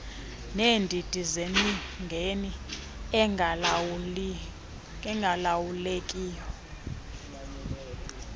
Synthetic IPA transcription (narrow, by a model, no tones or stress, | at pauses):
neːndʱid̥ʱʼizeniŋɡʱeni | ɛŋɡʱalawulekʼiːjɔ